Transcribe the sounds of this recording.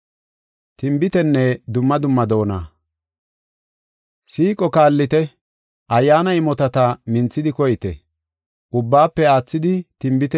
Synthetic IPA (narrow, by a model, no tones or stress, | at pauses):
t̪ɪmbɪt̪ɛnːɛd̪ʊmːɐd̪ʊmːɐd̪o̞ːna̰ː | siːkʼɔkaːlːɪt̪ɛ | ʔɐjːaːnɐɪmɔt̪ɐt̪ɐmɪnt͡sːɪd̪ɪkɔjɪt̪ɛ̰ | ʔʊbːaːpːɛaːt͡sːɪd̪ɪt̪ɪmbɪt̪ɛ